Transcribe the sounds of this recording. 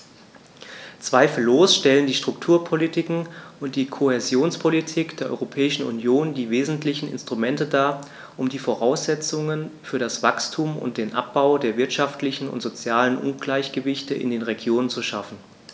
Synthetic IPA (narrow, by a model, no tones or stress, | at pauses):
t͡sv̥aɪfl̩ːoːsʃtɛləndiːʃtʁ̥ʊktʰuːɐpʰolitʰɪkŋ̩ʊnt̚d̥iːkʰohezjoːnspʰolitʰikd̥eːɐʔɔ̰ʏʁopʰɛːɪʃn̩ṵnjoːndiːveːzn̩tʰlɪçn̩ɪ̰nstʁ̥umɛntədaːɐ | ʔʊmdiːfoʁaʊsz̥ɛt͡sʊŋənfyːɐɾasv̥akstʰuːmʊ̰nt̚d̥eːnʔa̰p̚b̥aʊdeːɐvɪɐtʃaftlɪçn̩ʊ̰ntz̥ot͡sjaːlənʔʊ̰nɡlaɪçɡ̥əvɪçtəʔɪ̰ndeːnʁeɡjoːnənt͡suʃafn̩